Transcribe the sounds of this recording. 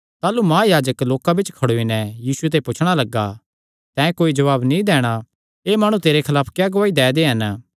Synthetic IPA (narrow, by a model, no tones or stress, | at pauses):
t̪aːlumãːjaːd͡ʒəkloːkabɪt͡ʃkʰɐɽoinɛjiːsuet̪eːipʊt͡ʃʰɽ̃alɐɡːa̰ | t̪ɛ̃ːkoːid͡ʒɐʋaːbnĩd̪ɛːɽ̃a | eːmaːɽ̃ũt̪eːɾekʰɐlaːpʰkjaːɡɐʋaːid̪ɛːd̪eɦɐn